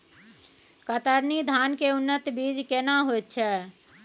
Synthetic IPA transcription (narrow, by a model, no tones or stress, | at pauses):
kət̪əɾnid̪ʱankeunːət̪bid͡ʒkenaɦojt̪̚t͡ʃʰɛ